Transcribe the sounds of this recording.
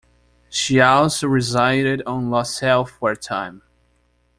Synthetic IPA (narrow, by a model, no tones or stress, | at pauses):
ʃiazɹɪzaɪɾɪɾn̩lɔsɛlˠfwɛɹtʰãɪ̃m